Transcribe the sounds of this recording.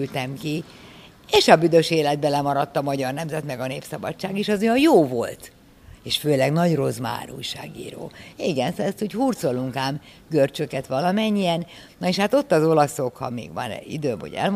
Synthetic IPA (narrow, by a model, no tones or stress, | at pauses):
ylt̪ɛmki | eːʃɒbyd̪øʃeːlɛd̪̚bɛlɛmɒɾɒt̪ːɒmɒɟɒrnɛmzɛt̪mɛɡɒneːpsɒbɒ̰t͡ʃt͡ʃːaːɡeʃɒzojɒjjoːvolt̪ | eːʃføːlɛɡnɒɟro̞zma̰ːɾṵːjʃa̰ːɡḭːɾo̰ːiɡɛnsɛst̪uːchuːrt̪soluŋkaːm | ɡ̥ørt͡ʃøkɛt̪ʋɒlɒmɛɲːijɛn | nɒeʃhaːt̪o̞t̪ːɒzo̞lɒso̞khɒ̰mḭːɡʋɒ̰n̰ḭd̪øːmɦo̰ɟɛ̰lm